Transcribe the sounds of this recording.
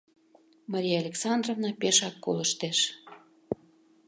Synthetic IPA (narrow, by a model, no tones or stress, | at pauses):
mɑɾʲijaalʲeksɑnd̪rovnɑpeʃɑkːo̰ləʃt̪eʃ